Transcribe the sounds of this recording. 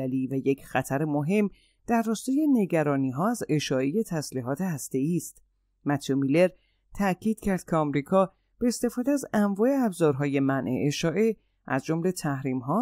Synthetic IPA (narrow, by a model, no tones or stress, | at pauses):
liːvæje̞cʰxæt̪ʰæɾemoɦe̞mː | d̪̥æɾrːɒːst̪ɒːje̞ne̞ɟæɾɒːniːɦɒːæze̞ʃɒːe̞je̞t̪ʰæsliːɦɒːt̪ʰe̞hæst̪e̞iːst̪ | mæt̪ʰijomile̞ɾ | t̪ʰæcʰiːd̪̥cʰæɾd̪̥̚cʰeɒmɾiːkʰɒː | b̥e̞ːst̪e̞fɒːd̪eæzæmvɒːe̞æbzɒːɾɦɒːje̞mænʔḛʔeʃɒːʔe̞ | ʔæzd͡ʒo̞mle̞t̪ʰæhɾiːmɦɒː